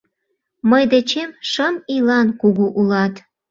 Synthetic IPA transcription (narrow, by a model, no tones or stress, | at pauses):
məjd̪et͡ɕemʃəmilɑnkuɣuʔulɑt̪